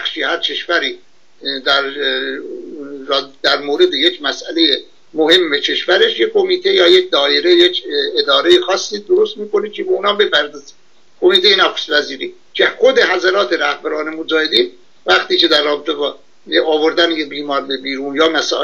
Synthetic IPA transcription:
æxʃiːhæɾt͡ʃʰeʃvæɾiː | d̪æɾ | ɾːd̪̥æɾmoːɾe̞d̪ejecʰmæsʔæleje | mohe̞mːet͡ʃʰe̞ʃvæɾe̞ʃjekʰo̞miːt̪ʰe̞jɒːjec̚d̪ɒːjeɾejecʰed̪ɒːɾejexɒːsːiːd̪oɾost̪̚miːko̞nikʰebeunhɒːbe̞pʰæɾd̪ɒːzi | kʰo̞miːt̪ejenæxo̥spæziːɾiː | cʰexo̞d̪e̞ɦæzæɾɒːt̪ʰeɾæhbæɾɒːnemod͡ʒɒːhed̪iːn | væxt̪iːce̞d̪æɾːɒːbet̪ʰebɒː | eɒːvoɾd̪ænejebiːmɒːɾbebiːɾuːnjɒːmæsɒ̰ː

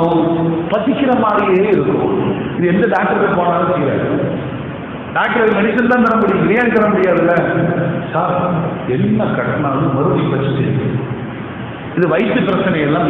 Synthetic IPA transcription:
ɐ̃pɐt̪ːɪkːɪɾɐmaːɾijeːɪɾɯkːʊ̰̃ɪðɯɛnd̪ɐɖaːk̚ʈɐɾɐʋɛpoːnɐaːlsɛjɾa̰ː | ɖaːk̚ʈɐɾɐʋmɐnɪʃɐnt̪ãːt̪ɐɾɐmʊɽɪjɐ̃ɪɾɐjant̪ɐɾɐmʊɽɪjaːðɪlːɐsaːɾɛnːɐkɐɽɐnːaːlɯ̃mɐɾɯɽipɐt͡ʃːɯt̪ːɪɯ̃ | ɪðɯʋɐɪsɯpɪɾɐt͡ʃːɐnɐjɛlːãː

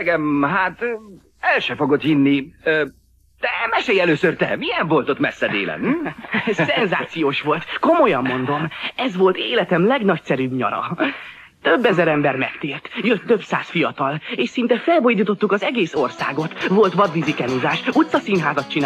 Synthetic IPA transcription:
ɡɛmɦaːt̪ | ɛlʃɛfo̞ɡot̪hinːi | d̪̥ɛmɛʃejɛløːsørt̪ɛ̰miɛɱvo̞lt̪ot̪mɛsːɛd̪ḛːlɛ̰n | sɛnzaːt̪sijoːʃʋo̞lt̪ko̞mo̞jɒmːo̞nd̪o̞mɛzʋo̞lt̪eːlɛt̪ɛmlɛɡnɒcsɛɾyːbɲɒ̰ɾɒ̰ | t̪øbːɛzɛɾɛmbɛrmɛ̰kt̪eːrt̪jøt̪ːø̞bsaːsfijɒt̪ɒleːʃsint̪ɛfɛlbojd̪it̪o̞t̪ːukɒzɛɡeːso̞rsa̰ːɡo̞t̪vo̞lt̪ʋɒd̪bizikɛnuzaːʃut̪sɒsinɦaːzɒt̪t͡ʃin

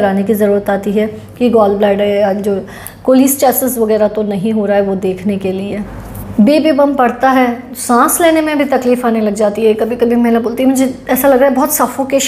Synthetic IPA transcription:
ɐɾaːnekizɐɾuːɾət̪aːt̪iɦɛː | kiɡɔːlblɛːɖɦɛjad͡ʒoː | koːliːst͡ʃɛːsɪsʋɐɡɛːɾat̪onɐɦĩɦoːɾaːɦɛʋod̪eːkʰnekelie | beːbeːbɐmpɐɽt̪aɦɛ | sãːsleːnemẽbʱit̪ɐkliːfaːnelɐɡd͡ʒaːt̪iɦɛkɐbʱikɐbʱimɛɦlaboːlt̪iɦɛmʊd͡ʒʱeɛːsalɐɡɾaːɦɛbɔɦʊt̪sɐfʰõkeʃ

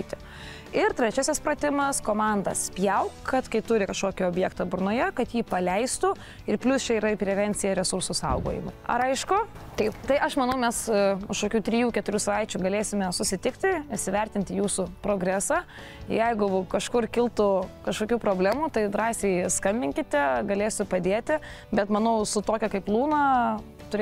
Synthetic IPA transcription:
iɪt̪ʲɪ | ɪrt̪ʲɾʲɛt͡ʃʲæːsʲɪspɾɐt̪ʲɪmɐskoːmɑnd̪ɐspʲjɛʊkkɐt̪kɐɪt̪ʊɾʲɪkɐʃkoːkʲɪoːbʲjɛkt̪ɐbʊrnoːjɛkɐt̪jiːpɐlʲɛɪst̪ʊ | ɪrpʲlʲʊst͡ʃʲɛiɾɐipʲɾʲɛʋʲɛnʲt͡s̪ʲɪjɛɾʲɛsʊɾsʊsɐ̰ʊɡo̰ːjɪ̰mɐ̰ɐ̰ɾɐɪʃkʊ | t̪ɐɪpt̪ɐɪʔɐʃmɐnɐʊmʲɛsʊʃkoːkʲuːt̪ʲɾʲɪjuːkʲɛt̪ʊɾʲuːsɐʋɐɪt͡ʃʲʊɡɐlʲeːsʲɪmʲɛsʊsʲɪt̪ʲɪkt̪ʲɪɪʃsʲɪʋʲɛɾʲt̪ʲɪnʲt̪ʲɪjuːsʊpɾoːɡɾʲæːsɑː | ɪjɛɪɡʊkɐʃkʊrkʲɪlˠt̪ʊkɐʃkoːkʲuːpɾoːbʲlʲæmuːt̪ɐɪd̪ɾɑːsʲɛɪskɐmʲbʲɪŋʲkʲɪt̪ʲɛɡɐlʲeːsʲʊpɐd̪ʲeːt̪ʲɪ | bʲɛt̪mɐnɐʊsʊt̪oːkʲɛkɐɪplˠuːnɐ | t̪ʊɾʲ

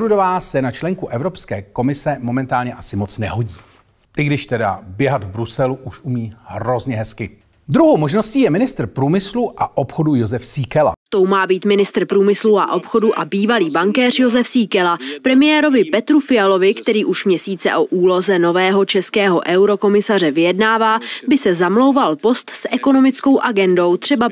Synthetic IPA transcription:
ɾudovaːsɛnat͡ʃlɛŋkuʔɛvɾo̞pskɛːko̞mɪsɛmo̞mɛnt̪aːlɲɛʔasɪmo̞t͡snɛɦoɟiː | ʔɪɡdɪʃt̪ɛda̰bjɛɦat̪vbɾusɛluʔuʃʔumiːhro̞zɲɛɦɛskɪ | d̪ɾuɦowmo̞ʒnosciːjɛmɪnɪst̪r̩pɾuːmɪsluʔaʔopxo̞dujozɛfsiːkɛla̰t̪o̞wmaːbiːt̪mɪnɪst̪ɾ̩pɾuːmɪsluʔa̰ʔo̞pxo̞duʔabiːvaliːbaŋkɛːr̝jo̞zɛfsiːkɛlapɾɛmɪjɛːɾo̞vɪpɛt̪ɾufɪalo̞vɪkt̪ɛɾiːʔuʃmɲɛsiːt͡sɛ̰ʔo̞ʔuːlo̞zɛno̞vɛːɦo̞t͡ʃɛskɛːɦo̞̰ʔɛwɾo̞ko̞mɪsarɛvɪjɛdnaːvaːbɪsɛzamlo̞wvalpo̞st̪sʔɛko̞no̞mɪt͡sko̞wʔaɡɛndo̞wt̪r̥ɛba

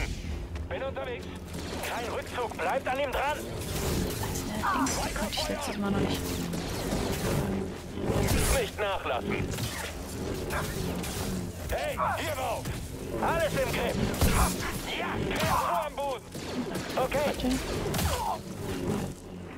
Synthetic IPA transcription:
b̥ɪnʊntɐveːks | kʰaɪnʁʏk̚t͡suːkb̥laɪp̚taniːmdʁan̥ | aɪsnɛɪnsikʰɔntɪ̥çlɛt͡stəsmaːnɔχnɪçt͡sːi | nɪçtnaːχla̰sn̩ | hɛɪhiːɐmaʊf | ʔaləsɪmɡʁɛf | kʰoamboːdn̩ʔokʰeːtʰe

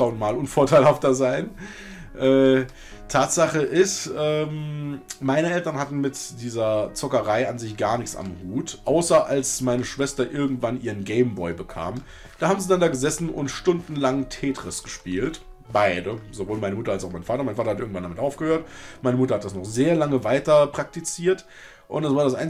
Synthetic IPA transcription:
aʊnmaːlʊnfoːɐtʰaɪlhaftɐzaɪn | ʔɛː | tʰaːtz̥aχəʔɪstʔɛːmmaɪnəɛltɐnhatn̩mɪtd̥iːzɐt͡sɔkɐʁaɪanzɪçɡ̥aːɐnɪçksa̰mhuːtʔaʊsɐʔalsmaɪnəʃv̥ɛstɐʔɪɐɡŋ̩tv̥anʔiːʁənɡeɪmbɔʏbəkʰa̰ːm | d̥aːhaːbm̩ziːdandaːɡəzɛsn̩ʔʊ̰ntʃtʊndn̩laŋtʰeːtʁ̥ɪsɡ̥əʃpiːlt | baɪdəzovoːlmaɪnəmʊtɐalsaʊxmaɪnfaːtɐmaɪnfaːtɐhatʔɪɐɡŋ̩tvandamɪtʔaʊfɡ̥əhøːɐtmaɪnəmʊtɐhatd̥asnɔχzeːɐlaŋəvaɪtɐpʁ̥ak̚tit͡siːɐt | ʔʊntd̥ɛsv̥aɐɾasʔa̰ɪn

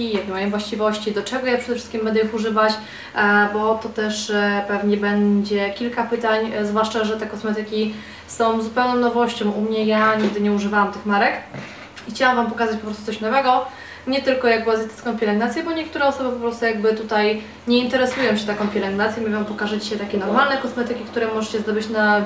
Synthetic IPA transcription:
ijɛɡ̪nmajɔ̃mvwaɕt͡ɕivɔɕt͡ɕid̪ɔt͡ʂɛɡɔjapʂɛd̪ɛfʂɘ̥st̪kʲimbɛnd̪ɛjixuʐɘvat͡ɕ | bɔt̪ɔt̪ɛʂpɛvɲɛbɛɲd͡ʑɛkʲilkapɘt̪aɲzvwaʂt͡ʂaʐɛt̪ɛkɔsmɛt̪ɘkʲi | sɔ̃w̃zupɛwnɔ̃w̃nɔvɔɕt͡ɕɔ̃w̃ʔumɲɛjaɲiɡ̚d̪ɘɲɛuʐɘvawamt̪ɘxmaɾɛk | ixt͡ɕawamvampɔkazat͡ɕpɔpɾɔst̪ut̪ɔɕnɔvɛɡɔ | ɲɛt̪ɘlkɔjaɡbazjɛt̪ɘ̥t̪kɔ̃w̃pʲɛlɛŋɡnat̪sʲjɛbɔɲɛk̚t̪uɾɛɔsɔbɘpɔpɾɔst̪ujaɡbɘt̪ut̪aj | ɲɛint̪ɛɾɛsujɔ̃w̃ɕɛt̪akɔ̃pʲjɛlɛŋɡnat̪sʲjɛmʲivampɔkaʐɛt͡ɕɕɛt̪akʲɛnɔɾmalnɛkɔsmɛt̪ɘkʲikt̪uɾɛmɔʐɛt͡ɕɛzd̪ɔbɘt͡ɕna

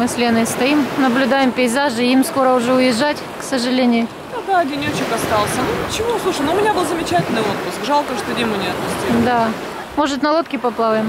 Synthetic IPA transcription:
mɨsʲlʲenɨst̪ɐimnəblʲʊd̪ajɪmpʲɪɪzaʐɨimsko̞ɾəʊʐɛʊjɪʐːatʲksəʐɨlʲenʲɪjʊ | t̪ɐd̪adʲɪnʲot͡ɕɪkɐst̪ɑlˠsʲənupt͡ɕɪvosˠuʂəjnoʊmʲɪnʲabɨlˠzəmʲɪt͡ɕætʲɪlʲnɨot̪̚pʊskʐalˠkəʂt̪odʲemʊnʲɪɐt̪̚pʊsʲtʲid̪a | mo̞ʐɨt̪nɐlˠot̪kʲɪpɐplˠavəjɪm

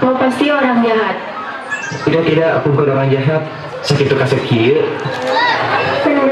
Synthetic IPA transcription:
mopast̪ioɾaŋd͡ʒaɦat̪̚ | idat̪idaʔpuŋkʊdoɾaŋd͡ʒaɦat̪̚ | sakit̪ukasəki

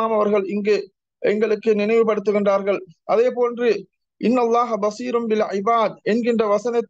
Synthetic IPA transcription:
aːmɐʋɐɾɣɐɭɪŋɡeː | ʔɛŋɡɐɭɯkːɯnɪnɐɪʋɯpɐɽɯt̪ːɯɣɪndraːɾɣɐɭʔɐðeːpoːndrɯ | ʔɪnːɐlˠːaːɦɐbɐsiːɾʊnbɪlʕɪbaːd̪̚ɛnɡɪndrɐʋɐsɐnɐt̪ː

